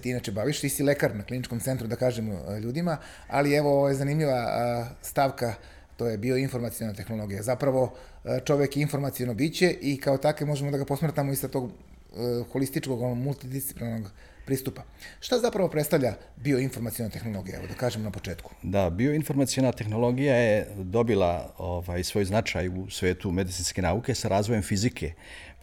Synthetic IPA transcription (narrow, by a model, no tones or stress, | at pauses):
t̪iinat͡ʃebaʋiʃt̪isilekaɾnaklinit͡ʃko̞mt̪se̞nt̪ɾud̪akaːʒemʎuːd̪ima | alieʋo̞oojezanimʎiʋast̪aʋka | t̪ojebioinfo̞ɾmat̪sijo̞nat̪e̞xno̞lˠo̞ɡijazapɾaʋo̞ | t͡ʂo̞ʋekinfo̞ɾmat̪sijo̞nobit͡ɕe̞ʔikaot̪akemo̞ʒemo̞d̪aɡapo̞smrt̪amoisat̪o̞ːɡ | xo̞list̪it͡ʂko̞ɡonomulˠt̪id̪isi̥plinanoɡ | pɾiːst̪upa | ʃt̪azapɾaʋo̞pɾet̪t̪aʋʎʲa | bioinfo̞ɾmat̪sijo̞nat̪e̞xno̞lˠo̞ɡija̰ʋod̪akaːʒemonapo̞t͡ʃe̞ːt̪ku̥d̪abioinfo̞ɾmat̪sijonat̪e̞xno̞lˠo̞ɡijajed̪o̞bilˠa̰ovaːjsʋo̞ːjznat͡ʃaːjusʋe̞ːt̪ume̞d̪it̪sinske̞naːukesaɾaːzʋojemfizikʰe